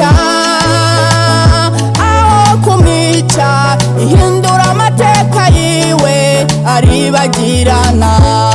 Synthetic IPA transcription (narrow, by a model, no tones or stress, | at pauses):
a | awokumi | t͡ʃa | iɦiːnduɾamatekaji | we | aɾiβaɟi | ɾana